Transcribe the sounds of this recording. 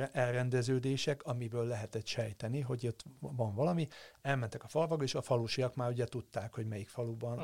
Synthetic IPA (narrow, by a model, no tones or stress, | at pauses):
ʔɛlrɛnd̪ɛzøːd̪eːʃɛkɒmibøːlːɛɦɛt̪ɛt̪ʃɛjt̪ɛniɦo̞ɟot̪vɒɱvɒlɒmiɛlmɛnt̪ɛkɒfɒlvɒɡeːʃɒfɒluʃijɒkmaːɾuɟɛt̪ut̪ːaːkho̞ɟmɛjikfɒlubɒn